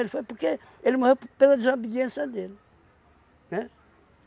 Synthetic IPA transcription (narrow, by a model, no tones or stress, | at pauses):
elɪfojpuɾke | elmohewpelɐd̪izobid̪ẽsɐd̪elɪ | nɛ